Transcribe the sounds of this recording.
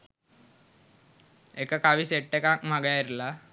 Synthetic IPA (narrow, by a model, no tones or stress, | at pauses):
ekəkaʋiseʈːekakmaɡaiɾla